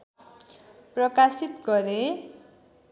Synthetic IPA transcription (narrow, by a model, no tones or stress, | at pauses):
prʌkasit̪ɡʌɾe